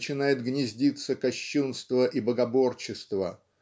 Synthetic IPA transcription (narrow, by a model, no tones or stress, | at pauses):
t͡ɕɪnajɪt̪ɡnʲɪzʲdʲit̪sːəkɐɕːunst̪vəʔibəɡɐbo̞rt͡ɕɪst̪və